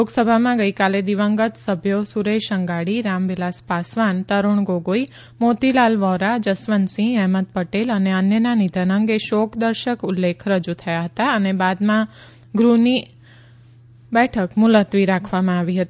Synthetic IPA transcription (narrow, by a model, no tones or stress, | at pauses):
loɡsəbʱamãɡəikaled̪iʋəŋɡət̪səbʱjosuɾeʃəŋɡaɽiɾamʋilaspasʋant̪əɾuɳɡoɡoi | mot̪ilalʋɔɾad͡ʒəsʋənsĩɛɦməd̪̚pəʈeləneənjənanid̪ʱənəŋɡeʃɔkd̪əɾʃəkʊlːekʰɾəd͡ʒut̪ʰəjaɦət̪aənebad̪mã | ɡɾuni | bɛʈʰəkmʊlət̪ʋiɾakʰʋamãaʋiɦət̪i